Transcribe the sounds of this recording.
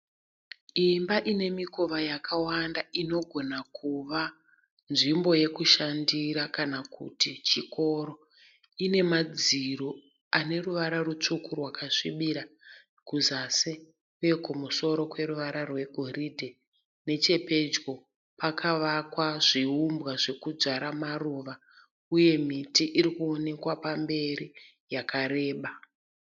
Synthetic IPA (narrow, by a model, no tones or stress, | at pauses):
imbaʔine̞miko̞ʋajakʰawandaino̞ɡʱo̞nakʰuʋa | nʐimbo̞je̞kuʃandiɾakanakṵtit͡ʃiko̞ɾo̞ | ine̞mad͡ziɾo | ane̞ruʋaɾarut͡ʂukʰurwakaʂiɓiɾa | kuzase | uje̞kumuso̞ɾo̞kwe̞ɾuʋaɾarwe̞ɡʱo̞ɾidʱe | ne̞t͡ʃe̞pe̞d͡ʒɡo̞ | pakʰaʋakwaʐiumbwaʐe̞kud͡zaɾamaruʋa | uje̞mitiʔiɾikuone̞kwapambe̞ɾi | jakʰaɾe̞ːɓa